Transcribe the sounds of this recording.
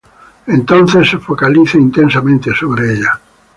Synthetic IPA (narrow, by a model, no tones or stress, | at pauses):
ẽnt̪õn̟θesːefokaliθeint̪ensamẽnt̪ɪsoβɾeeʎa